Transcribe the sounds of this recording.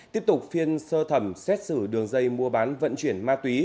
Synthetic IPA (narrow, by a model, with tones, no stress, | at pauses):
t̪i˦˥əp̚t̪ʊ˨˩k͡p̚fi˧ənsəː˧t̪ʰə˧˩msɛ˦˥t̚sɨ˧˩ɗɨ˨˩əŋzə˧jmu˧əɓaː˨˦nvə̰˧˨nt͡ɕi˧˩ənmaː˧t̪wi˨˦